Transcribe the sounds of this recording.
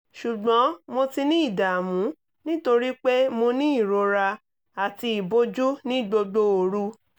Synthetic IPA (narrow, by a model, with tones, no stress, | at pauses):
ʃu˨ɡ͡bɔ̃˨˦mo˧ti˧nĩ˦i˦˨da˨mũ˨˦ | nĩ˦to˧ɾi˦k͡pe˦mo˧nĩ˦i˦˨ɾo˧ɾa˧ | a˨ti˧i˨bo˦d͡ʒu˦nĩ˦ɡ͡bo˧ɡ͡bo˧˦o˧ɾu˧˦